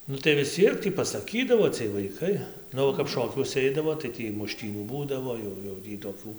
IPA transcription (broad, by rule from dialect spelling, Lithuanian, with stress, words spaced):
ˈnʊ tɐɪ ʋʲɪs ˈt͡sʲiɛk tʲiː pɐsɐˈkʲiːdɐʋoː t͡sʲiɛj ʋɐɪˈkɐɪ ˈnʊ ʋɐ kɐp ˈʃoːkʲuɔsʲɛ ˈɛɪdɐʋoː tɐɪ ˈtʲiː mʊˈʃʲtʲiːnʲuː ˈbuːdɐʋoː jɛʊ jɛʊ ˈtʲiː toːˈkʲuː